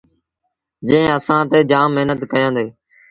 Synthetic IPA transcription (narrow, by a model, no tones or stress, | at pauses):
d͡ʒə̃ːəsãːt̪eːd͡ʒaːmːɪɦnət̪kəjãːnd̪eː